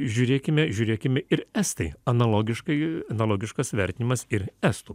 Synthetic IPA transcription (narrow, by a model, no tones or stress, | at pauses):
ʒʲuːɾʲeːkʲɪmʲɛʒʲuːɾʲeːkʲɪmʲɛɪɾæst̪ɐɪɐnɐlˠoːɡʲɪʃkɐɪɐnɐlˠoːɡʲɪʃkɐsʋʲɛɾʲt̪ʲɪnʲɪmɐsɪɾæːst̪u